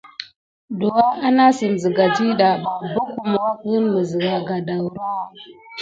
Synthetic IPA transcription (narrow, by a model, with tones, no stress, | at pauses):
do˨wa˦ʔa˦na˦si˨n˨zi˨ɡa˨d͡ʒi˦ɗa˨ba˨bu˦ku˨m˨wa˦ki˦mə˨zi˨ɡa˨ɡa˨da˨wɾa˦˨